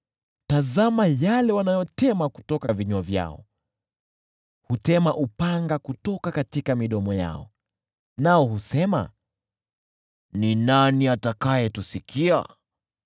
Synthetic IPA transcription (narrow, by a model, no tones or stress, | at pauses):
tazamajalɛwanajɔtɛmaku̥tɔkaviɲuavja̰ɔ̰ | hutɛmaʔupaŋɡakutɔkakatikamiɗɔmɔja̰ɔ̰ | naɔhusɛma̰ | ninaniatakajɛtusikʰia̰